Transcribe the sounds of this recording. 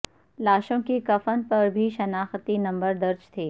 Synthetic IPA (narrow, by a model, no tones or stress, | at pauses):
laːʃõkikɐfənpɐɾbʱiʃɐnaːxt̪inɐ̃mbəɾd̪ɐɾd͡ʒt̪ʰeː